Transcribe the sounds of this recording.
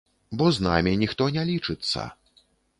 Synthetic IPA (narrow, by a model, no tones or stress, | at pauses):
bɔzna̰mʲinʲixt̪ɔnʲɛlʲit͡ʂɨt̪sːɐ̰